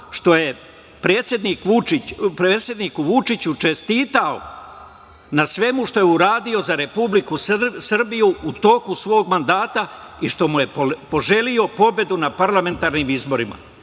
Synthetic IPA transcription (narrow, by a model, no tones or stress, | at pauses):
ʃt̪o̞je̞ | pɾeːt̪sje̞d̪niːkʋuipɾeːt̪sje̞d̪nikuʋut͡ʃit͡ɕut͡ʃe̞st̪iːt̪ao̰ | nasʋe̞muʃt̪o̞jeuɾaːd̪io̞zaɾe̞publikussr̩bijuːt̪o̞kusʋo̞ːɡmand̪aːt̪aiʃt̪o̞muje̞po̞ʒe̞lio̞po̞be̞d̪unapaɾlame̞nt̪aːɾnimizbo̞ɾima̰